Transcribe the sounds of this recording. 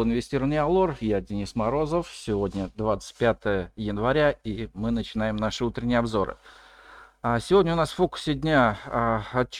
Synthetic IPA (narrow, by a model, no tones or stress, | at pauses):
ɪnvʲɪsʲtʲiɾəvənɨjɐlˠo̞rjadʲɪnʲismɐɾo̞zəfsʲɪvodʲnʲəd̪vat̪sə̥t̚ʲpʲat̪əjəjɪnvɐɾʲaimɨnət͡ɕɪn̪ajɪmnaʂɨut̪ɾʲɪnʲɪjəɐbzo̞ɾɨ̰ | asʲɪvodʲnʲəʊnasffo̞kʊ̥sʲɪdʲnʲa | ɐt͡ɕ